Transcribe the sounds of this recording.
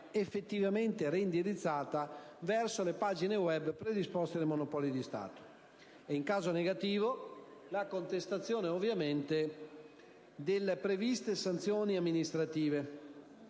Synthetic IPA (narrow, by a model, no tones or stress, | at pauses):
efːet̪ːivament̪eɾeind̪iɾit̪sːaːt̪avɛrsolepad͡ʒinewɛbpɾed̪ispɔst̪ed̪emonopɔlid̪ist̪a̰ːt̪o̥ | ɛiŋkaːzoneɡat̪iːvo | lakont̪est̪at̪sːjoːneovːjament̪e | d̪elːepɾevist̪esant̪sjoːniamːinist̪ɾat̪iːve